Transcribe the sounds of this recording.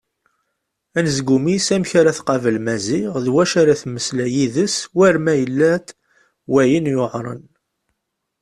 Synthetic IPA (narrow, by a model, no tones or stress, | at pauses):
ænəzɡumisæmçaɾæθqɑvəlmæziʁðwæʃaɾæθməslæjiðəswæɾmæjəlːæt̪ | wæjənjoʕɾˤə̰n